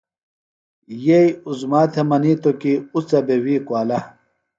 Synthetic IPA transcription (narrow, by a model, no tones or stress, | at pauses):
jejuzmaːt̪ʰemɐnit̪okiut͡sɐbewiːkwaːlɐ